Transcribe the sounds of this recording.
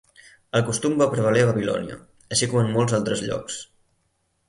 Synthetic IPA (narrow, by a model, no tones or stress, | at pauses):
əlˠkust̪umbapɾəβəleβəβilɔ̰niə̰ | əʃikɔmənːolˠzalˠt̪ɾəzʎɔ̰ks